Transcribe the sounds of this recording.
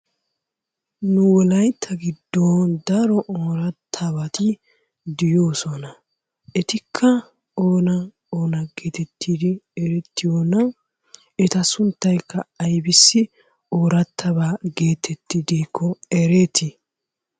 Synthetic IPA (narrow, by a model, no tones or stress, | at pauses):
nʊwɔlɐjt̪ʰːɐɡɪd̪ːoːnd̪ɐɾɔʔoːɾɐt̪ʰːɐbɐt̪ɪ | d̪ɪjoːsɔnɐ | ɛt̪ɪkʰːɐ | oːnɐ | oːnɐɡeːt̪ɛt̪ːiːd̪ɪɛɾɛt̪ːɪjoːnːɐ | ɛt̪ɐsʊnt̪ːɐjkːɐːjbɪsːɪ | oːɾɐt̪ʰːɐbaːɡe̞ːt̪ʰɛt̪ːɪd̪iːkʰːɔɛɾeːt̪ɪ